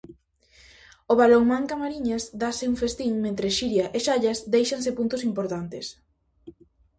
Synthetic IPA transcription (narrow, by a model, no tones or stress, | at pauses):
oβaloŋmaŋkamaɾiɲasd̪asɪuŋfest̪iŋmẽnt̪ɾeʃiɾjaʔeʃaʎɐsd̪ejʃansɪpunt̪ʊsimpoɾt̪ant̪ɪs